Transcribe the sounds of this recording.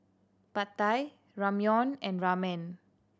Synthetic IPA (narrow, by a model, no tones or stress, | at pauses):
pat̪aj | ɹamjɔ̃nɛ̃nɹamɛ̃n